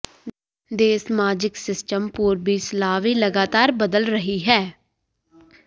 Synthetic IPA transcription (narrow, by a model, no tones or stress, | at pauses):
d̪eːsmaːd͡ʒɪksɪsʈəmpuːɾbʱiːslaːʋiːləɡaːt̪aːɾbəd̪əlɾəɦiːɦɛː